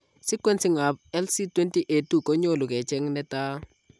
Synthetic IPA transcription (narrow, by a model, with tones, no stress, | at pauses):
si˦kwe˦nsi˦ŋa˨bɛ˦lsi˦twe˦nti˦ʔe˨tu˨kɔ˦ɲo˦lʊ˨kɛ˨t͡ʃɛ˦ŋnɛ˦ta˦